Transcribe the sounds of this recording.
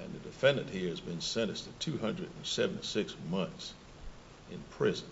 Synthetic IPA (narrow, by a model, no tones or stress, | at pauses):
ɨ̃nðɨdɨfɛ̃ndɨ̃nʔhiɹɨzbɨ̃nsɛ̃ɾ̃ɨstɨtʰʉɦʌ̃ndɹɨɾn̩sɛṽntisɪksmʌ̃nθs | ɨ̃npʰɹ̥ɪzn